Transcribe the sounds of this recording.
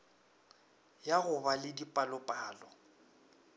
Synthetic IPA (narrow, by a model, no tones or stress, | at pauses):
jaɣʊbalɪdipʼalɔpʼaːlɔ